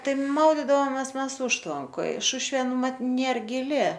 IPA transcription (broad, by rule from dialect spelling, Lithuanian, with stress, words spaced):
ˈtɐɪ ˈmɐʊdʲɪdɐʋoːmʲɛs ˈmʲɛs ˈʊʃtʋɐŋkoːj ˈʃʊʃʲʋʲeː ˈmɐt ˈnʲeːr ɡʲɪˈlʲɪ